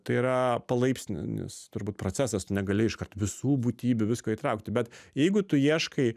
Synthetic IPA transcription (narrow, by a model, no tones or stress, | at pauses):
t̪ɐɪiːɾɐpɐlˠɐɪpʲsʲnʲɪ̰nʲɪ̰st̪ʊɾbuːt̪̚pɾoːt͡sʲæsɐst̪ʊnʲɛɡɐlʲɪɪʃkɐrt̪ʋʲɪsuːbuːt̪ʲiːbʲʊʋʲɪskoːiːt̪ɾɐʊk̚t̪ʲɪbʲɛt̪jɛɪɡʊt̪ʊjiɛʃkɐɪ